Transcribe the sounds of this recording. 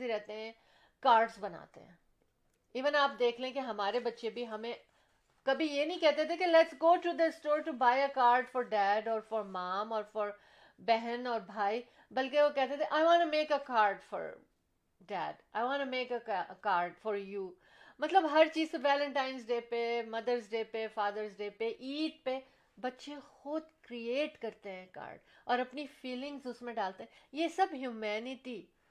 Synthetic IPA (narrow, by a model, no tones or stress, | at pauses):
iɾɛɦt̪eɦɛ̃ | kaːɾɖsbɐna̰ːt̪ḛɦɛ̰̃ː | iːʋə̃naːpd̪eːkʰleɛ̃keɦɐmaːɾebɐtːʃebʱiɦɐmẽ | kɐbʱijenɐĩkɛɦt̪et̪ʰekelɛʈsɡoːʈʰɾud̪ɪsʈoːɾʈubaːɪəkaːɾɖfɔɾɖæːɖɔːɾfɔɾmãːmɔːɾfɔɾ | bɛɦɛ̃nɔːɾbʱaːi | bɐlkeʋokɛɦt̪et̪ʰeʔaːɪʋãːnʈumeːkəkaːɾɖfɔ̰ːɾ | ɖɛ̰ːɖaːɪjʋãːnumeːkəkaːɾɖfɔːɾjuː | mɐt̪ləbɦɐɾt͡ʃiːzkoʋɛːlə̃ɳʈãːɪnz̬ɖeːpemɐd̪əɾzɖeːpefaːd̪əɾzɖeːpeʔiːʈ̚pe | bɐtːʃẽxʊd̪kɾieːʈkɐɾt̪eɦɛ̃ka̰ːɾɖɔːɾɐpnifiːlɪ̃ŋɡzʊsmẽɖaːlt̪eɦɛ̃jesɐbɦjuːmɛːnɪʈi